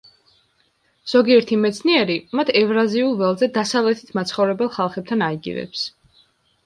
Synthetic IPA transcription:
z̥ɔɡiɛɾt̪ʰimɛt̪sʰniɛɾimat̪ʰɛvɾaziulˠvɛlˠzɛd̪asavlɛt̪ʰi̥t̪ʰmat̪sχɔvɾɛbɛlˠχalˠχɛb̚t̪ʰanaiɡḭvɛ̰ps

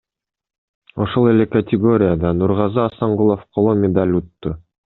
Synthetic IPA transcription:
o̞ʃo̞lˠe̞lʲekɐtʲɪɡo̞ɾʲɪjad̪ɑnuɾʁɑzɑːsɑɴʁulˠofqʰolˠomʲɪd̪alʲut̪ːʊ

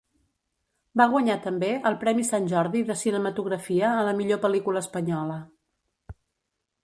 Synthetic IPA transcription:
baɣ̞wəɲat̪əmbeʔəlˠpɾɛmisanʲʒɔɾðiðəsinəmət̪uɣ̞ɾəfiəːləmiʎopəlikuləːspəɲɔlə

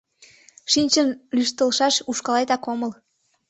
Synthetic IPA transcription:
ʃinʲt͡ɕənlyʃt̪əlʃɑʃuʃkɑlɑjt̪ɑkoməl

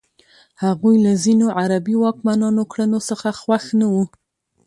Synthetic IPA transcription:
haɣujlazinoʕaɾabiwɑkmanɑnokɽənosəxaxwaxnawu

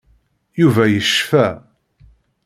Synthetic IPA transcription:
juvæjəʃfæ

